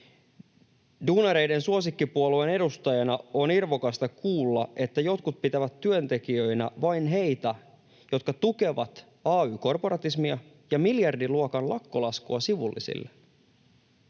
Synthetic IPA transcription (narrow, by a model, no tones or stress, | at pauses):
duːnɑɾe̞jde̞nsuo̞sikːipuoluene̞dust̪ɑjɑnɑonirʋokɑst̪ɑkuːlːɑʔe̞t̪ːæjo̞t̪kut̪̚pit̪æʋæt̪tːyønt̪e̞kiøjnæʋɑjnɦe̞jt̪æ | jo̞t̪kɑt̪uke̞ʋɑt̪ | ɑːyːko̞rpo̞ɾɑt̪ismiɑ | jɑmiljɑrdiluokɑnlʔɑkːolɑskuɑsiʋṵlːḭsḭlːe